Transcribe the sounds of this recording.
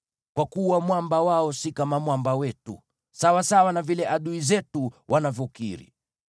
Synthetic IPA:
kwakuwamwambawaɔsikamamwambawɛtṵ | sawasawanavilɛʔaɗuizɛtuwʔanavɔkḭɾḭ

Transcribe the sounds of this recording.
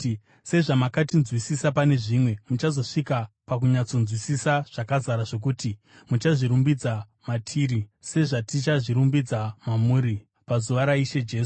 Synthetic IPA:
se̞ʐamakatinzwisisapane̞ʐimwe̞mut͡ʃazo̞ʂikapakuɲat͡so̞nzwisisaʐ̥akazaɾaʐo̞k̬uːti | mut͡ʃaʐiɾumbid͡za | matʰiːɾise̞ʐatit͡ʃaʐiɾumbid͡zamamuːɾi | pazuʋaɾaiʃe̞d͡ʒe̞ːsu

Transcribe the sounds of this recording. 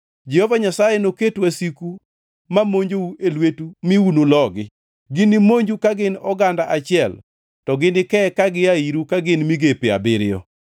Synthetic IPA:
d͡ʒɛhɔvaɲasajɛnoketwasiku | mamoɲd͡ʒouelwetumɪunolɔɡɪ | ɡɪnɪmoɲd͡ʒukaɡɪnɔɡandaʔat͡ʃɪɛl | tɔɡɪnɪkɛkaɡɪaiɾukaɡɪnmiɡepɪa̰bɪɾɪjɔ̰

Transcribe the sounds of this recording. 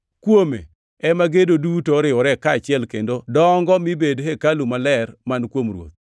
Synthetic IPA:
kwomḛ | ɛmaɡedodutoɾɪɔɾɛkaːt͡ʃɪɛlkendodɔŋɡɔmibedɦɛkalumalɛrmankwomrwo̰t̪̚

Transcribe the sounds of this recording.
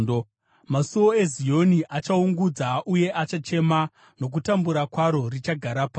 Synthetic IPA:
o | masuwo̞e̞zio̞niʔat͡ʃauŋɡud͡zaʔuje̞ʔat͡ʃat͡ʃe̞ma | no̞k̬utambuɾakwaɾo̞rit͡ʃaɡʱaɾapa

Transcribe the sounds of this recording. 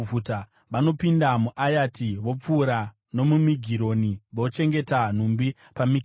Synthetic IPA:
uta | ʋano̞pindamuʔajatiʋo̞p͡fuːɾa | no̞mumiɡʱiɾo̞niʋot͡ʃe̞ŋɡe̞tan̤umbi | pamiɡ

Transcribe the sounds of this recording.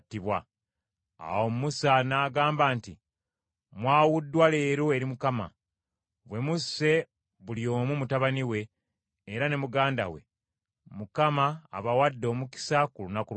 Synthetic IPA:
tːiβwa | a̰wo̞mumusanaːɡaːmbaːnti | mwaːwudːwale̞ːɾoe̞ɾimukama̰ | βwe̞muse̞ | βulio̞ːmumutaβaniwe̞ː | ɾane̞muɡaːnda̰we̞̰ | mukama̰ːβawadːo̞ːmuki̥sakulunaku

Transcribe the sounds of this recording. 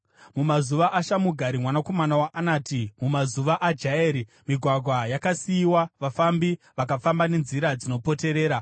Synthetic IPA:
mumazuʋaʔaʃamuɡʱaɾimwanako̞manawaʔanaːtimumazuʋaʔad͡ʒaeːɾi | miɡʱwaɡʱwajakasiːwaʋafambi | ʋak̬afambane̞nziɾad͡zino̞pote̞ɾe̞ːɾa

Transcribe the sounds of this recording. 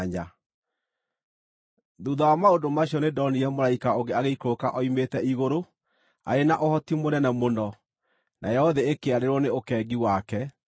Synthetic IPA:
ɲa | ðuðawamaodomaɕjɔnedɔniɛmoɾaikaoɡeaɣeikokaʔɔimetɛiɣoɾo | a̰ɾenaʔohɔtimoɾɛnamonɔ | nʔa̰jɛɔðɛekeaɾeɾwɔneokɛːɡiwakɛ

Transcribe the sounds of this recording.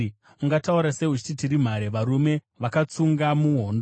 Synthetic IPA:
uŋɡatauɾase̞ɦut͡ʃi̥titiɾim̤aɾe̞ʋaɾume̞ | ʋakat͡suŋɡamuɦoːndo

